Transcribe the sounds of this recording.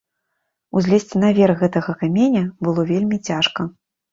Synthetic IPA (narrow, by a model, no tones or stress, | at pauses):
uzʲlʲesʲt͡sʲinavʲɛrɣɛt̪ɐɣɐkamʲenʲɐbɨlˠɔvʲelʲmʲit͡sʲaʂkɐ